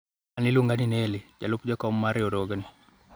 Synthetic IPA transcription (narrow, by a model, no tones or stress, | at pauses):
anɪluŋɡaninelɪd͡ʒa̰lʊpd͡ʒɔkɔmːaɾɪodoɡni